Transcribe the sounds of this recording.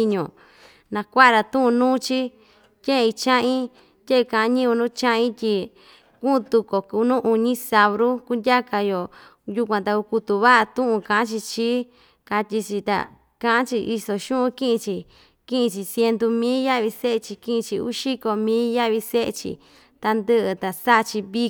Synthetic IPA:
i˧ɲõ˨ | nã˧kʷa˦ʔɾa˧t̪ũ˦ũ˧nũː˦t͡ʃi˦ | tʲẽ˦ẽ˧i˧t͡ʃã˦ĩ˦ | t̪ʲe˦˧kã˨a˦ɲĩ˦u˧nũ˦t͡ʃã˦ʔĩ˦t̪ʲi˧ | kũ˦˧t̪u˧ko˨ku˨˧˦nũ˦ʔu˧ɲĩ˦sa˧βɾu˦ku˦ndʲa˦ka˧jo˨ | ju˧kʷã˧t̪a˧u˧ku˧t̪u˧βa˦ʔa˧t̪ũ˦ʔũ˧kã˨ã˦t͡ʃi˧t͡ʃi˦ | ka˧t̪ʲi˧t͡ʃi˧t̪a̰˨ | kã˦ʔã˦t͡ʃi˧ʔi˧so˧ʃũ˦ʔũ˧˦kĩ˦ʔĩ˧t͡ʃi˧ | kĩ˦ʔĩ˧t͡ʃi˧sje˧nd̪u˧mĩ˦lja˦βi˧se˦ʔe˧t͡ʃi˧kĩ˦ʔĩ˧t͡ʃi˧ṵ˦ʃi˦ko˧mĩ˦lja˦βi˧se˦ʔḛ˧t͡ʃḭ˧ | t̪a˧nd̪ɨ˦ʔɨ˧t̪a˨sa˦ʔt͡ʃi˧βi˦

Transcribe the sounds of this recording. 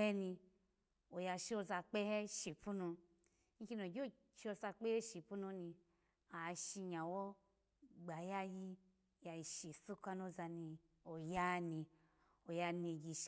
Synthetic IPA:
ɛ˦ni˧ | o˨ja˧ʃe˦o˧˦za˧k͡pe˦he˦ʃi˨pu˦nu˧ | ŋ̩˦kʲi˧˦n˨o˨ɡʲo˦˨ | t͡ʃo˧sa˧k͡pe˦he˦ʃi˨˧pu˦nu˧ni˧ | a˨˧ʃi˧ɲa˨wɔ˦ | ɡ͡ba˨ja˧ji˧ | ja˧i˧ʃi˨su˦ka˧no˧˦za˧ni˧ | o˨ja˦ni˧ | o˨ja˧ne˧ɡi˧ʃ

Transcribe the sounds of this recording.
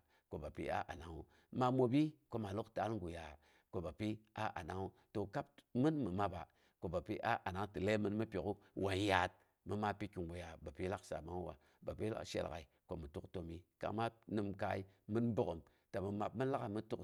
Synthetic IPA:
ko˨ba˨pḭ˦a̰˦ʔa̰˨na˨ŋu˦ | ma˦mo˨bi˦ko˦ma˨lu˦kta˨˦lŋɡu˨ja˨ | ko˨ba˨pi˦a̰˦ʔa̰˨na˦ŋu˦ | to˨ka˦p̚mɨ˦nmɨ˨ma˨ba̰˨ | ko˨ba˨pi˦ʔa˦ʔa˨na˦ŋ˦tɨ˨le˦mɨ˦nmɨ˦pʲo˨ku˦wʔa˨n˦ja˨t̚ | mɨ˦ma˦pi˦ki˨ŋɡu˨ja˨ba˨pi˦la˦ksa̰˨ma˦ŋ˦wa̰˨ | ba˨pi˦la̰˦ʃḛ˨lka̰˨i˨ko˨mɨ˨tu˦kto˨mi˦ka̰˨ma˦nɨ˨mka˨˦i˦mɨ˦nbu˦kə˨m | ta˨mɨ˨ma˨bmɨ˦la˦ka˨mɨ˦tu˦k

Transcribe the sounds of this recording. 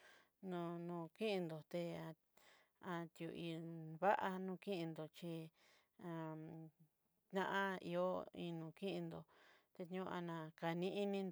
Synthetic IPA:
nũ˧nũ˧kĩ˦ʔi˧nd̪o˨t̪e˧a˧ | a˧t̪ju˨i˧βa˦ʔa˧nũ˧kĩ˦ʔĩ˧nd̪o˨t͡ʃi˧ | a˧ | ã̰˦ʔã˦ḭ˧o˦i˧nũ˨kĩ˦ʔĩ˧nd̪o˨t̪e˧t̪ũ˧a˧nã˨˧ka˨nĩ˦ʔi˦nĩ˧nd̪

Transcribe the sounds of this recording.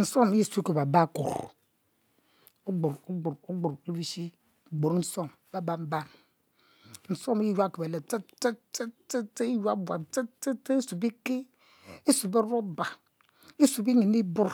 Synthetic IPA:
n̩˨so˦mi˦ji˦su˨˦e˦ko˨ba˨ba˦˨kṵ˨ɾ | o˦ɡ͡bu˨ɾo˦ɡ͡bu˨ɾo˦ɡ͡bu˨ɾu˦vi˦ʃi˦˨ | ɡ͡bo˨ɾn̩˦so˦˨m˨ba˦ba˦m˦ba˦˨m | n̩˨so˦mi˦ji˦jʷu˦a˦˨ke˨be˨le˨te˦te˦te˦te˦te˦i˦ju˦a˦bʷa˨te˦te˦te˦i˦su˨bi˦ke˦ | i˦su˨be˦ɾo˦ba˨ | i˦su˨bi˦ɲi˨ni˦bu˦ɾ

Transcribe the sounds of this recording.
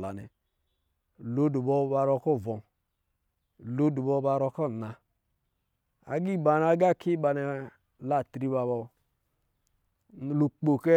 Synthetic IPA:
la̰˨nɛ̰˨ | lo˦du˨bɔ˧˦ba˧ɾɔ˧kɔ˦˨vɔ˨ | lo˦du˨bɔ˧˦ba˧ɾɔ˧kɔ˦˨na˧ | a̰˨ɡi˦˨ba˨na˧ɡa˦˨kʰi˦ba˧nɛ˨ | la˨tɾi˧ba˧bɔ˧˨ | lu˨k͡po˨kɛ˦

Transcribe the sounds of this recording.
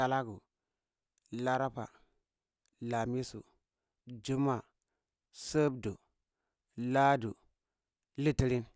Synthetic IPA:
a˨la˦ɡu˨ | la˦ɾa˦pa̰˨ | la˨mi˦sṵ˨ | d͡ʒu˦ma˨ | sə˦bdu˨ | la˦du˨ | li˦ti˦ɾi˦n

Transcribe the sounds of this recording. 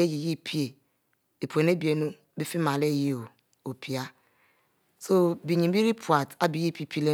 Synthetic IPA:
e˦ji˨ji˦pʰi˦e˨ | di˨pʰʷe˨ne˦bi˨e˨˦nu˦bi˦fi˦ma˨le˦˨ji˦o˨ | o˨pi˨a˦ | so˦bi˨ɲĩ˨˦i˦ɾi˦pʰu˨a˨ta˦bi˨ji˦pi˦pʰi˦le˦

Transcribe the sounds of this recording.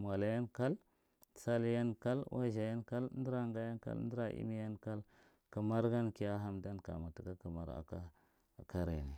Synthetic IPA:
m˨a˨la˨ja˦nka˦l | sa˦lja˦nka˦lwa̰˦ʒa˨ja˦nka˦ln˦di˦ɾa˦˨ŋɡa˦ja˦nka̰˦ln˦di˦ɾa˦ʔḭ˦mi˦ja˦nka˦l | ka˨ma˦ɾɡa˦nki˦ja˦ɦa˦mda˦nka̰˨ma˨ta˨ɡa˦ka˨ma˨ɾa̰˨ka˦˨ | ka˦ɾḛ˨ni˨

